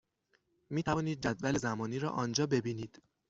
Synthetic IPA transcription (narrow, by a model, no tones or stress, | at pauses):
miːt̪ʰævɒːniːd̪̚d͡ʒæd̪væle̞zæmɒːniːɾɒ̰ːʔɒːnd͡ʒɒːbe̞biːniːd̪̥